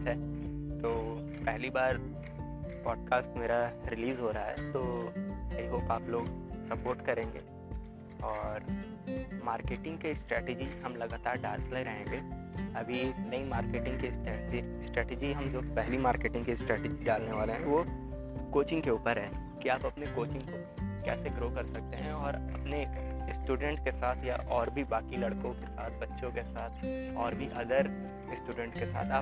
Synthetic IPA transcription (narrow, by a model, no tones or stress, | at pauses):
ɐtːʃʰaɦɛt̪oː | pɛɦlibaːɾ | pɔːɖ̚kaːsʈmeːɾaɾɪliːzɦoɾɐɦaɦɛ̰t̪oːeiɦoːpaːploːɡsɐpoːɾʈkɐɾẽːŋɡḛː | ɔːɾ | maːɾkeːʈɪ̃ŋɡkesʈɾɛːʈed͡ʒiɦɐmlɐɡaːt̪aːɾɖaːɾtlaɾɐɦẽŋɡeːɐbʱinɐimaːɾkeːʈɪ̃ŋkesʈɛːʈd͡ʒi | sʈɾɛːʈed͡ʒiɦɐmd͡ʒoːpɛɦlimaːɾkeːʈɪ̃ŋɡkesʈɾɛːʈɪd͡ʒiɖaːlneʋaːleɦɛ̃ʋo | koːt͡ʃɪ̃ŋɡkeuːpəɾɦɛː | kiaːpɐpnekoːt͡ʃɪ̃ŋɡko | kɛ̰ːseɡɾoːkɐɾsɐk̚t̪eɦɛ̃ɔːɾɐpneɪsʈuːɖə̃ɳʈkesaːt̪ʰja̰ʔɔːɾbʱibaːkilɐɽkõkesaːt̪̚ʰbɐtːʃõkesaːt̪ʰɔːɾbʱiʔɐd̪əɾ | ɪsʈuːɖə̃ɳʈkesa̰ːt̪ʰaː